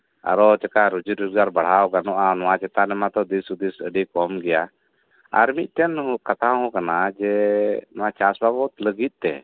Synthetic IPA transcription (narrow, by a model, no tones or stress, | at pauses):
a̰ɾɔt͡ʃɛkaɾud͡ʒiɾuɾɡaɾbaɽ̤awɡanɔʔanɔwat͡ʃɛt̪anɛmat̪ɔd̪isud̪isəɖikɔmɡɛja | a̰ɾmiʔ̪̚ˀt̪ɛnɦuʔkat̪aɦɔkanad͡ʒɛnɔwat͡ʃasbabɔt̪ləɡit̪̚t̪ɛ̰